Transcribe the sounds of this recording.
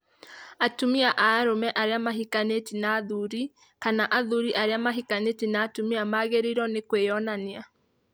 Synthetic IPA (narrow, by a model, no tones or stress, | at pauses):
atumiaʔaːɾomɛʔaɾeamaɦikanetinaːðuɾi | kanaʔaðuɾiʔaɾeamaɦikanetinaːtumiamaːɣeɾiɾɔnekweɔnanea